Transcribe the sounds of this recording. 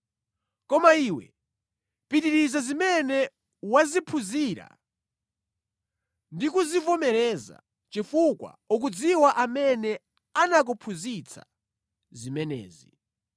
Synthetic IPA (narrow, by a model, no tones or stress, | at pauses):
kɔmaiːwɛ̰ | pitiɾizazimɛnɛ | wazipʰuziɾa̰ | ndikuzivɔmɛɾɛza̰ | t͡ʃifukwa̰ɔk̬ud͡ziwaʔamɛnɛ | anak̬upʰuzit͡sʰa̰ | zimɛnɛ̰ːzi